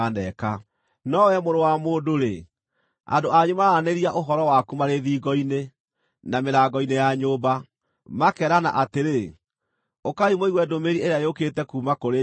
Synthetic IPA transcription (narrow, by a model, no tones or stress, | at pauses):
anɛka | nɔwɛmoɾowamoːdoɾḛ | a̰ndoaɲomaɾaneɾiaʔoɦɔɾɔwakumaɾeðiːɡɔine | nameɾaːɡɔinejaɲoːba | makɛɾana̰ʔateɾe | okaimoiɣwɛdomeɾieɾeaeoketɛkuːmakoɾe